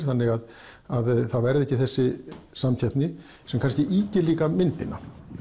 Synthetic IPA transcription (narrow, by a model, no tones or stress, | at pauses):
ɾ̥θanːɪɣað | aðθaðvɛɾðɪɛhcːɪθɛsːɪsamcʰɛhpnɪ | sɛmkʰanscɪʔiːcɪliːkamɪnt̪ɪnːa̰